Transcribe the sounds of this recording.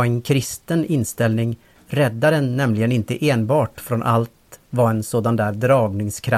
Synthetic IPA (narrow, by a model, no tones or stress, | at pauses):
ɛnkʰɾɪst̪ənɪnst̪ɛlnɪŋ | ɾɛd̪ːaɖ̪ɛnːɛmlɪɡənɪnt̪əʔeːnbɑːʈfɾɔnʔa̰lt̪vɑɛnsoːd̪and̪æːɾd̪ɾɑːɡnɪŋskʰɾa